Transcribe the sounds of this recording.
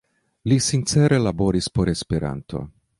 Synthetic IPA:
lisint͡seɾe̞labo̞ɾispo̞ɾe̞spe̞ɾa̰nt̪ʰo̞̰

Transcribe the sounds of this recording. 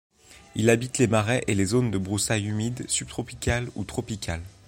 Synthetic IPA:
ilabit̪lemaʁɛʔelezond̪əbʁusajymid̪syb̥̚t̪χɔpikʲalṵt̪χɔpikʲʰal

